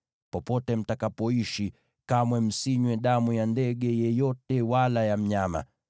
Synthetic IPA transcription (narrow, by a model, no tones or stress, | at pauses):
pɔpɔtɛm̩takapɔiʃi | kamwɛm̩siɲwɛɗamujandɛɠɛjɛjɔtɛwalajam̩ɲama̰